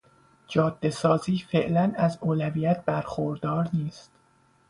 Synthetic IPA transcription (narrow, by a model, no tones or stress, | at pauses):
d͡ʒɒːd̪̥ːe̞sɒːziːfe̞ʔlænæzoːlæviːjæt̪̚ʰbæɾxoɾd̪ɒːɾniːst̪